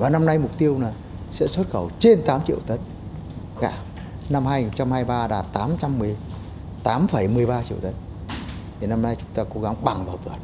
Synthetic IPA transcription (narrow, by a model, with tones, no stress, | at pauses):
vaː˨˩na˧mna˧jmʊ˨˩k͡p̚t̪i˧əwnaː˨˩ | sɛ̰˧˥swə˦˥t̚xə˧˩wt͡ɕe˧nt̪aː˨˦mt͡ɕḭ˧˨ə˨wt̪ə˨˦˥n̚ | ka̰ː˧˩ | na˧mhaː˧ji˨˩nt͡ɕa˧mhaː˧jɓaː˧ɗa̰ː˨˩t̚t̪aː˨˦mt͡ɕa˧mːɨ˨˩əj | t̪aː˨˦mfə˧˩jmɨ˨˩əjɓaː˧t͡ɕḭ˧ə˨wt̪ə˨˦˥n̚ | t̪ʰi˨˩na˧mna˧jt͡ɕʊ˨˦ŋ͡mt̪aː˧ko˨˦ɣa˨˦ŋɓa˨˩ŋvaː˨˩wvɨ˨˩ət̚